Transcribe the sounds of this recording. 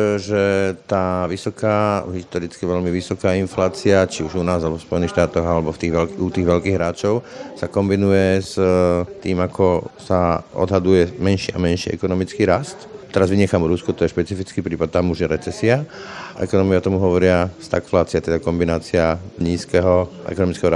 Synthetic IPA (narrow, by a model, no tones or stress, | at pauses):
ʒɛt̪aːʋisɔkaːɦist̪ɔɾit͡skiʋɛʎmiʋisɔkaːinflaːt͡siat͡ʃiuʒunaːzalɛbɔfspɔjɛnixʃt̪aːt̪ɔɣalɛbɔft̪iːɣʋɛlkut̪iːɣʋɛʎkiːɣɦɾaːt͡ʃɔʊsakɔmbinujɛzt̪iːmakʰɔsaɔ̰d̪ɦad̪ujɛmɛnʃiːa̰mɛnʃiːɛ̰kɔnɔmit͡skiːɾast̪t̪ɛɾazʋiɲɛxamuɾuskut̪ɔjɛʃpɛt͡sifit͡skiːpɾiːpat̪̚t̪ːamuʒjɛɾɛt͡sɛsiaʔɛ̰kɔnɔmiat̪ɔmuɦɔʋɔɾɪast̪akflaːt͡siat̪ɛd̪akɔmbinaːt͡sɪaɲiːskɛɦɔʔɛ̰kɔnɔmit͡skɛɦɔɾ